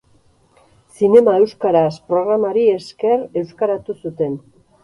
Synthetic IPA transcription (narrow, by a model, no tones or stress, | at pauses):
sine̞mae̞wskaɾaspɾo̞ɣ̞ɾamaɾie̞ske̞ɾe̞wskaɾat̪usut̪e̞n